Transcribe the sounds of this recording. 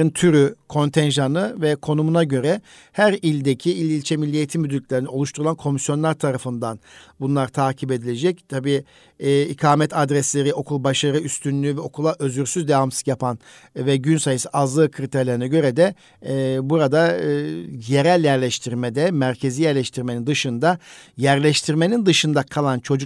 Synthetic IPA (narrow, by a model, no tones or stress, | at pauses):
ɯnt̪ʰyɾykʰo̞nt̪ʰɛnʒanɯvɛkʰo̞numunaɟø̞ɾɛ | hæɾilʲd̪ecʰiilʲilʲt͡ʃʰɛmilʲːijet̪ʰimːyd̪yɾʲtlʲeɾinɛo̞lˠuʃt̪ʰuɾulˠankʰo̞misjo̞nlˠaɾt̪ʰaɾafɯnd̪anbunlˠaɾt̪ʰaːcʰibe̞d̪ilʲe̞d͡ʒɛct̪ʰabiː | ikʰaːmɛt̪ʰad̪ɾɛslʲe̞ɾiʔo̞kʰulˠbaʃaɾɯyst̪ʰynlʲyːvɛo̞kʰulˠaʔø̞zyɾsyzd̪evamsɯ̥zjapʰan | vɛɟynsajɯsɯʔazlˠɯːkʰɾit̪ʰeɾlʲeɾinɛɟø̞ɾɛd̪ɛ | buɾad̪a | je̞ɾælʲjæɾlʲɛʃt̪ʰiɾmed̪ɛmæɾcʰe̞ziːjæɾlʲɛʃt̪ʰiɾmenind̪ɯʃɯnd̪ajæɾlʲɛʃt̪ʰiɾmenind̪ɯʃɯnd̪akʰalˠant͡ʃʰo̞d͡ʒu